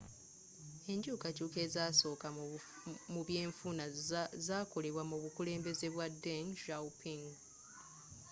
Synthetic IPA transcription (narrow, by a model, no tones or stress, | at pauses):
e̞ɲɟuːkacuːke̞ːzaːso̞ːka | muβje̞ːɱfunazaːko̞le̞βwamuβukule̞ːmbe̞ze̞βwadenʃawpʰiŋɡ